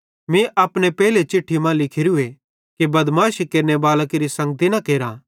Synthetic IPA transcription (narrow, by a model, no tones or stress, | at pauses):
mẽʔaːpnepɛːlet͡ʃɪʈʰːimãlɪkʰɪɾue | kibɐd̪maːʃikeːɾnebaːləkɾisɐ̃ŋɡ̚t̪inɐkeːɾãː